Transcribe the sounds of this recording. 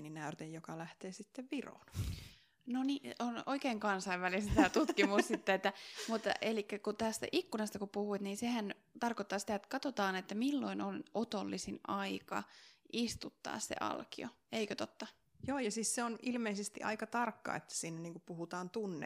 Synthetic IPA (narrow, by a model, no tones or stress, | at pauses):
ninæyrt̪ejjokɑlæht̪eːsit̪ːeʋʋiro̰ːn | nonionoikeːŋkɑnsɑiʋʋælist̪æːt̪ut̪kimussit̪ːeet̪ːæmut̪ːelikːækut̪æst̪æ̰ʔikːunɑst̪ɑkupuhuit̪niːnsehæn | t̪ɑrkot̪ːɑːsi̥t̪æet̪kɑt̪ot̪ɑːnet̪ːæmilːo̞̰inonot̪olːisinʔɑikɑ̰ʔist̪ut̪ːɑ̰ːssḛʔɑ̰lkio̰ | eikøt̪ot̪ːɑ | joːjɑsiːsseonilmeisest̪ḭʔɑ̰ikɑt̪ɑrkːɑ̰ːḛt̪ːæ̥siːnːæniːŋkupuhut̪ɑːnt̪unːḛ